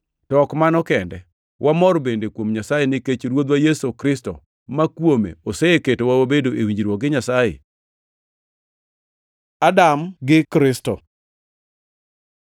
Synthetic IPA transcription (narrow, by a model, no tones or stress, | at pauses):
tɔkmanɔkɛndɛ̰ | wʔamɔɾbendekwomɲasajenɪket͡ʃɾwod̪wajɛsokɾɪstɔ̰ | makwomḛoseeketowawabedoʔewiɲd͡ʒiɾwɔk̚ɡɪɲasajḛ | adamɡɪkɾɪstɔ